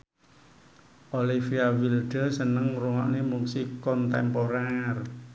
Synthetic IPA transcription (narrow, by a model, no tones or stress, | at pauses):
ʔolifiawilɖ̪̥ə̤sənəŋruŋɔʔnemuŋsikɔnt̪ɛmpoɾar